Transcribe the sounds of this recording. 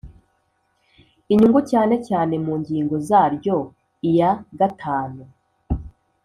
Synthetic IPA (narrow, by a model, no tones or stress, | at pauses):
iɲuŋɡucaːne̞caːne̞muːɲɟiːŋɡo̞zaːɾɟo̞ | ijaɡatʰaːnu